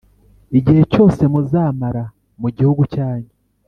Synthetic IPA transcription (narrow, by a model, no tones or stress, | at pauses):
iɟihe̞co̞ːse̞muzaːmaɾa | muɟihuɡucaːɲɟe